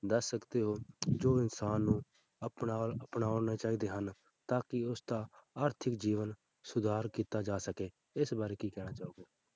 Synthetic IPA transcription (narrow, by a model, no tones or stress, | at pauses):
d̪əsːəkd̪eːɦoːd͡ʒoːɪnsaːnːũː | əpnaːləpnaːoːnaːt͡ʃaːiːd̪eːɦən | t̪aːkɪʊsd̪aːaːɾt̪ʰɪkd͡ʒiːʋən | sʊd̪ʱaːɾkiːt̪aːd͡ʒaːsəkeː | ɪsbaːɾeːkiːkɛːɽ̃aːt͡ʃaːoːɡeː